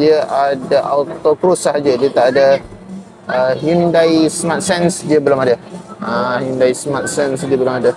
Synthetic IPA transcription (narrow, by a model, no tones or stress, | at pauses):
iəʔadaʔawt̪okɾusaɦad͡ʒədiət̪aʔada | əɦindajsmat̪̚sɛnsdiəbəlumadaəhindajsmat̪̚sɛnsdiəbəlumada